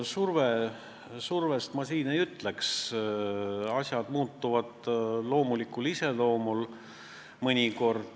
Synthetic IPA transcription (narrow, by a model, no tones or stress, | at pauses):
surve | surve̞st̪mɑsiːne̞jyt̪leks | ɑsʲjɑd̪̥muːt̪ːuvɑd̪̥lo̞ːmulikːulise̞lo̞ːmul | mɤnʲiko̞rd̪̥